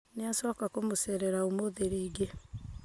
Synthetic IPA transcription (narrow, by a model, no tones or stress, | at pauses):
neasɔːkakomosɛɾɛɾaomoðeɾeːɡe